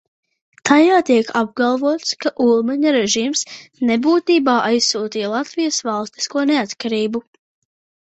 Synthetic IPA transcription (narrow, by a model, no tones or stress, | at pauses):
t̪ʰajaːt̪iɛkʰab̚ɡalˠvuɔt̪skaʔulˠmaɲɐɾɛʒiːmsnɛbuːt̪iːbaːʔajsːuːt̪iːlˠat̪vijəsvalˠst̪i̥skuɔneat̪kaɾiːbu